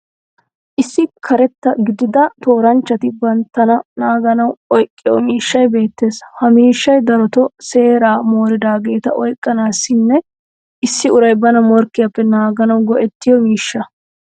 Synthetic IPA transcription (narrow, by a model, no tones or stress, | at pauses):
ʔɪsːɪkʰɐɾɛt̪ːɐɡɪd̪ɪd̪ɐt̪o̞ːɾɐnt͡ʃːɐt̪ɪbɐnt̪ːɐnɐnaːɡɐnɐwɔjkʼːɪjɔmiːʃːɐjbe̞ːt̪ːe̞ːshɐmiːʃːɐjd̪ɐɾɔt̪ɔse̞ːɾaːmo̞ːɾɪd̪aːɡe̞ːt̪ɐʔɔjkʼːɐnaːsːɪnːɛ | ʔɪsːɪʊɾɐjbɐnɐmɔɾkːɪjɐpːɛnaːɡɐnɐwɡɔʔɛt̪ːɪjɔmiːʃːɐ